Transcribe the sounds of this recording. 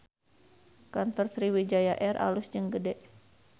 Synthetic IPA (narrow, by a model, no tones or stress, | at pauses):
kant̪ɔrsɾiwid͡ʒajaʔɛrʔa̰lʊsd͡ʒɨŋɡədɛʔ